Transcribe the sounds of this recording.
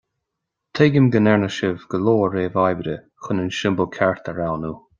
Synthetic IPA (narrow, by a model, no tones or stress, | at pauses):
t̪ʰeːɡəmɡənɛɹnəʃəvɡ̥əloːəɹeːvajvəɾə | xʊnənʃɪmbəlˠkʰɛɹt̪ʰəɹawnuː